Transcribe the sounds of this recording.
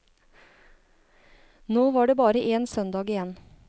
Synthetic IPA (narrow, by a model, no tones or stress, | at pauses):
noːʋɑːɖeːbɑːɾəʔeːnsœnd̪ɑːɡɪjɛn